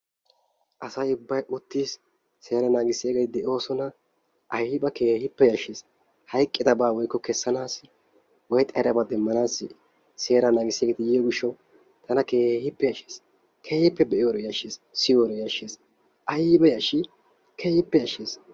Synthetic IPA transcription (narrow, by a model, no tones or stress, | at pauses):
ʔɐsɐjʊbːɐjʊt̪ːiːs | se̞ːɾɐnaːɡɪsːɪjɐɡeːt̪ɪd̪ɛʔo̞ːsɔnɐ | ʔɐjɪbɐkeːhɪpːɛjɐʃːeːs | hɐjkʼːɪd̪ɐbaːwɔjkːɔkɛsːɐnaːsɪ | wɔjt̪ʼːɐjɾɐbɐd̪ɛmːɐnaːsːɪ | se̞ːɾɐnaːɡɪsɪjɐːɡeːt̪ɪjijɔɡɪʃːɛw | t̪ʰɐnɐkeːhɪpːɛjɐʃeːs | kʰe̞ːhɪpːɛbɛʔɪjoːɾɔjɐʃeːssɪjoːɾɔjɐʃeːs | ʔɐjɪbɐjɐʃi | kʰeːhɪpːɛjɐʃːeːs